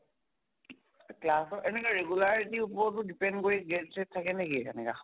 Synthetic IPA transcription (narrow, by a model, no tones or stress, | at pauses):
klasɔʔɛnɛkaɹeɡulaɹitiupɔɔtʊdipɛndkoɹiɡenset̚tʰːakɛnekiɛ̰nɛ̰ka̰